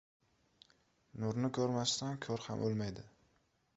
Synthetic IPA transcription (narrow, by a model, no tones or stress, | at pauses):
nʊɾnɪkʲʰɵɾmast̪ankʲʰɵɾha̰mʔolˠmajd̪ɪ